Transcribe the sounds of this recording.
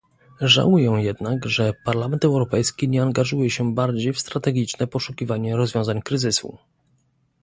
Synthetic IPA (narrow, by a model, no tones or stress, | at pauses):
ʐa̰wujɛ̃jɛd̪nakʐɛpaɾlamɛnt̪ɛwɾɔpɛjskʲiɲɛaŋɡaʐujɛɕɛbaɾd͡ʑejfst̪ɾat̪ɛɡʲit͡ʂnɛpɔʂukʲivaɲɛɾɔzvʲɔ̃w̃zaɲkɾɘzɘsṵ